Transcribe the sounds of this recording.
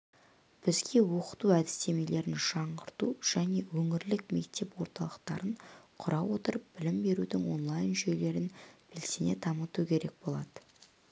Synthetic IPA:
b̥ɪzɡʲe̞wo̞qə̥t̪uæd̪ɪst̪e̞me̞le̞ɾɪnʒ̥ɑɴʁəɾt̪uʒ̥æne̞wɵŋɪɾlɪkme̞kt̪e̞pwo̞ɾt̪ɑlˠəqt̪ɑ̰ɾəɴqʰʊɾɑwo̞t̪əɾəp̚b̥ɪlɪmbe̞ɾud̪ɪŋwo̞nlˠɑjnʒɵjle̞ɾɪnb̥ɪlsene̞t̪ʰɑmət̪ukʲʰe̞ɾe̞k̚bo̞lˠɑd̪ə̥

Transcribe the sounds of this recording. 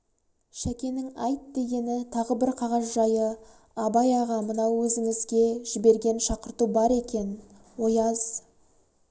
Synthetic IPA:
ʃækʲe̞nɪŋɑjt̪d̪e̞ɡʲe̞nɪt̪ʰɑʁəbɪɾqʰɑʁɑzʒɑjə | ɑbɑjɑʁɑmənɑwwɵzɪŋɪzɡʲe̞ʒ̥ɪbe̞ɾɡʲe̞nʃɑqəɾt̪ubɑɾe̞kʲe̞n | wo̞jɑz̥

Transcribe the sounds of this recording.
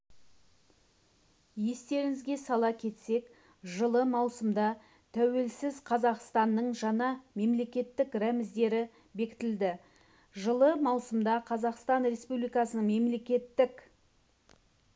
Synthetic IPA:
je̞st̪e̞ɾɪŋɪzɡʲe̞sɑlˠɑkʲʰe̞t̪se̞k | ʒəlˠəmɑwsəmd̪ɑ | t̪ʰæwe̞lsɪzqʰɑzɑqst̪ɑnːəɴʒɑnɑme̞mle̞kʲe̞t̪ːɪkɾæmɪzd̪e̞ɾɪ | be̞kʲɪ̥t̪ɪld̪ɪ | ʒəlˠəmɑwsəmd̪ɑqʰɑzɑqst̪ɑnre̞spublijkɑsənəɴme̞mle̞kʲe̞t̪ːɪk

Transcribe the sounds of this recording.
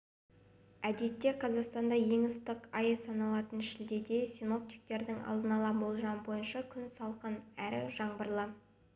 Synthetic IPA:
æd̪e̞t̪ːe̞qʰɑzɑqst̪ɑnd̪ɑʒe̞ŋəst̪ɪqɑjesɑnɑlˠɑt̪ənʃɪld̪e̞d̪e̞sino̞p̚t̪ijk̚t̪e̞ɾd̪ɪŋɑ̰lˠd̪ənɑlˠɑbo̞lˠʒɑnəbo̞jənʃɑkʲʰʏnsɑlˠqənæɾɪ̰ʒɑɴbəɾlˠə

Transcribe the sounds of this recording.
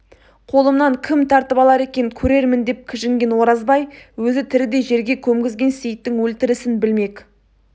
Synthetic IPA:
qʰo̞lˠəmnɑŋkʲʰɪmt̪ʰɑɾt̪əpɑlˠɑɾe̞kʲe̞nɪkʲʰɵɾe̞ɾmɪnd̪e̞p̚kʲʰɪʒɪŋɡʲe̞nwo̞ɾɑzbɑjwɵzɪt̪ʰɪɾɪd̪e̞ʒe̞ɾɡʲe̞kʲʰɵmɡʲɪzɡʲe̞nse̞jt̪ːɪŋwɵlt̪ɪɾɪsɪnbɪlme̞kʲ

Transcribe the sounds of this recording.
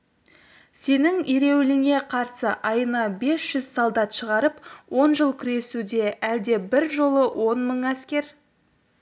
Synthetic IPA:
se̞nɪŋiɾe̞wɪlɪŋe̞qʰɑɾsəʔɑjənɑbe̞sʒ̥ʏz̥sɑlˠd̪ɑt̪ʃəʁɑɾəpwo̞nʒəlˠkʲʰʏɾe̞sud̪e̞ʔæld̪e̞bɪɾʒo̞lˠəwʔo̞nməɴæskʲe̞ɾ

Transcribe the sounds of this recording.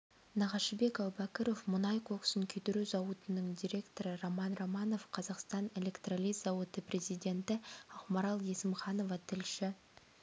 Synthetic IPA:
nɑʁɑʃəbe̞kɑwbɑkʲəɾo̞fmʊnɑjkʰoksəŋkʲʰɵd̪ɵɾezɑwət̪ənəŋd̪ʲiɾʲe̞kt̪o̞ɾəɾomɑnromɑno̞fqʰɑzɑqst̪ɑne̞lʲe̞kt̪ralijzɑwət̪əprʲʔe̞zijd̪ʲe̞nt̪ɪɑqmɑɾɑlˠje̞sɪmχɑno̞vɑt̪ʰɪlʃɪ

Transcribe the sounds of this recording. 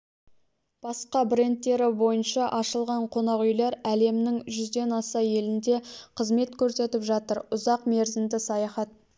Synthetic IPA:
b̥ɑsqɑbɾe̞nt̪ːe̞ɾɪbo̞jənʃɑʔɑʃəlˠʁɑɴqʰo̞nɑʁʏjleɾæle̞mnɪŋʒʏzd̪e̞nɑsɑje̞lɪnd̪e̞qʰəzme̞t̪kʲʰɵɾse̞t̪ɪpʒɑt̪əɾʊzɑqme̞ɾzɪnd̪ɪsɑjɑχɑt̪̚

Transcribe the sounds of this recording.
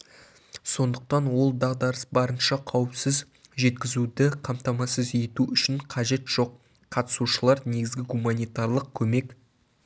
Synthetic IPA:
so̞nd̪əq̚t̪ɑnwo̞lˠd̪ɑʁd̪ɑɾəsbɑɾənʃɑqʰɑwəpsɪz | ʒe̞t̪kʲɪzud̪ɪqʰɑmt̪ɑmɑsəze̞t̪uʏʃɪɴqʰɑʒe̞t̪ʒ̥o̞qːʰ | ɑt̪ə̥suʃəlˠɑɾne̞ɡʲɪzɡʲɪɡumanʲijt̪ɑɾlˠəq̚kʲʰɵme̞k

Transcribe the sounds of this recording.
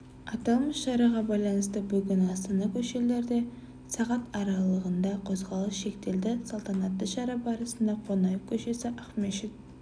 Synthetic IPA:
ɑt̪ɑlˠməsʃɑɾɑʁɑbɑjlˠɑnəst̪əbʏɡʲɪnɑst̪ɑnɑkʲʰɵʃe̞le̞ɾd̪e̞ | sɑʁɑt̪ɑɾɑlˠəʁənd̪ɑqʰozʁɑlˠəsʃe̞kt̪e̞ld̪ɪsɑlˠt̪ɑnɑt̪ːəʃɑɾɑbɑɾəsənd̪ɑqʰo̞nɑjəp̚kʲʰɵʃe̞sɪʔɑχmeʃɪt̪̚

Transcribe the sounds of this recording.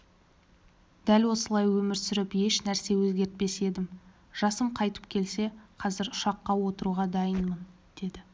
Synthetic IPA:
d̪̥ælwo̞səlˠɑjwɵmɪɾsʏɾɪpje̞ʃnæɾse̞wɵzɡʲe̞ɾt̪̚pe̞se̞d̪ɪm | ʒ̥ɑsəmqʰɑjt̪ə̥pkʲʰe̞lse̞qʰɑzɪɾʊʃɑqːɑwo̞t̪əɾuʁɑd̪ɑjənmən | d̪̥e̞d̪ɪ

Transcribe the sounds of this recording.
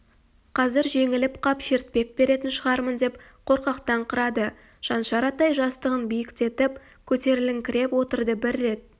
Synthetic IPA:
qʰɑzɪɾʒe̞ŋɪlɪpqʰɑpʃe̞ɾt̪̚pe̞k̚be̞ɾe̞t̪ɪnʃəʁɑɾmənd̪e̞p | qʰo̞ɾqɑqt̪ɑɴqʰəɾɑd̪ə | ʒ̥ɑnʃɑɾɑt̪ɑjʒɑst̪əʁənbijɪkt̪e̞t̪ɪp | kʲʰɵt̪e̞ɾɪlɪŋkʲʰɪɾe̞pwo̞t̪əɾd̪əbɪɾːe̞t̪

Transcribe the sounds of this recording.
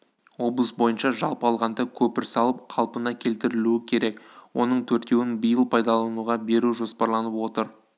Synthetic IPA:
wo̞blˠəsbo̞jənʃɑʒɑlˠpəɑlˠʁɑnd̪ɑkʲʰɵpɪɾsɑlˠəp̚qʰɑlˠpənɑkʲʰe̞lt̪ɪɾɪluɪkʲʰe̞ɾe̞kwo̞̰nəɴt̪ʰɵɾt̪ke̞wɪnbəjəlˠpʰɑjd̪ɑlˠɑnuʁɑbe̞ɾuʒo̞spɑɾlˠɑnəpwo̞t̪əɾ

